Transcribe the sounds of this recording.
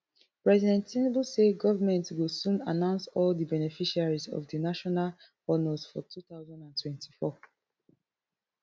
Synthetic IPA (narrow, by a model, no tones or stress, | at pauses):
pɹɛzidɛ̃ntːĩnbuseɡɔvamɛ̃ntwilsũnanãʊ̃nsɔldibɛnɛfiʃaɹizɔ̰vdinaʃɔnal | ɔnəzfɔ̰tʰuθaʊzãndãntʰwɛ̃nti̥fɔ